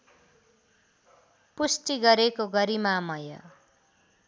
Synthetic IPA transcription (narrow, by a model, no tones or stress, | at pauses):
pusʈiɡʌɾekoɡʌɾimamʌjʌ̰